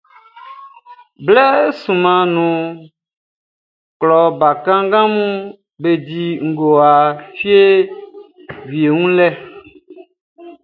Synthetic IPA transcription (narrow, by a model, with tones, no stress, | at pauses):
blɛ˦sũ˨mã˨nũ˨ | klɔ˨ba˨kã˦ŋ˦ɡã˦mũ˦ | be˨di˨ŋ̩˨ɡo˨a˨fi˦e˦ | vi˨e˨ŋũ˦lɛ˦